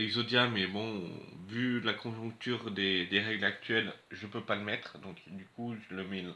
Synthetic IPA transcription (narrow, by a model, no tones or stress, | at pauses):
lɛɡzod̪jamɛbɔ̃vylakʰɔ̃ʒɔ̃k̚t̪yːʁd̪ed̪eʁɛɡlak̚t̪ʰɥɛlʒəpøpaləmɛt̪χd̪ɔ̃kd̪ykuʒələmɛ